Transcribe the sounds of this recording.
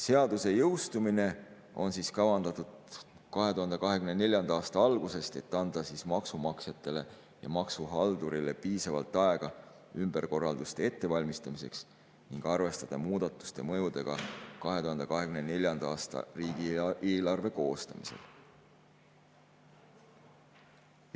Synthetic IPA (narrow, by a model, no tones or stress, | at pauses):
se̞ɑd̪̥use̞jɤwst̪umine̞ | o̞nsiːskɑvɑnd̪ɑt̪ːˑud̪̥ | kɑɦe̞t̪uɦɑnd̪̥ekɑɦe̞kymnene̞lʲjɑnd̪̥ɑɑːst̪ɑɑlɡ̥use̞st̪e̞t̪ːɑnd̪̥ɑsiːsmɑksumɑksjɑt̪ːˑe̞le̞ | jɑ̰mɑksuɦɑld̪̥uɾile̞piːsɑvɑ̰lt̪ːˑɑe̞ɡ̥ɑ | ymb̥e̞rko̞rːɑld̪̥ust̪e̞e̞t̪ːe̞vɑlʲmist̪ɑmise̞̰ks | niŋɡ̥ɑrve̞st̪ɑd̪̥ɑmuːd̪̥ɑt̪ːˑu̥st̪e̞̰mɤ̞jud̪̥e̞ɡ̥ɑ̰kɑɦe̞t̪uɦɑnd̪̥ekɑɦe̞kymnene̞lʲjɑnd̪ɑɑːst̪ɑ̰riːɡ̥ieːlɑrve̞ko̞ːst̪ɑmise̞̰l